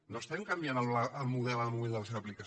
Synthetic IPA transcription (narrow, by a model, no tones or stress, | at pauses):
nost̪ɛmkɐmbjanəlβlaəlˠmuðɛləmuβilˠd̪əls̬ewəplikə